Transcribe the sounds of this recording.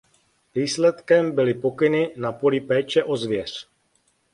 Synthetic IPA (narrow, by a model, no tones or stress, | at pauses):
viːslɛt̪kɛmbɪlɪpo̞kɪnɪnapolɪpɛːt͡ʃɛʔo̞zvjɛr̝̥